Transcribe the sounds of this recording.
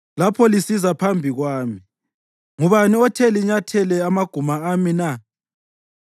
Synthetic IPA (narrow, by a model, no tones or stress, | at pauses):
lapʰɔlisizapʰambʱiɣwaːmi | ŋuβaniɔtʰɛliɲatʰɛlɛamaɡ̥ʱumaːmina